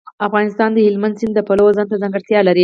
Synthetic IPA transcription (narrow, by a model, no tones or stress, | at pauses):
afɣɑnɪst̪ɑnd̪əhɪlmand̪sɪnd̪əpalawzɑnt̪azaŋɡəɾt̪jɑlaɾi